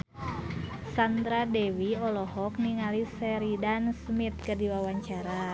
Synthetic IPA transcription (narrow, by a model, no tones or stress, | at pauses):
sand̪ɾadɛwiɔlɔɦɔk̚niŋalisɛɾidansmit̪̚kərdiwawaɲt͡ʃaɾa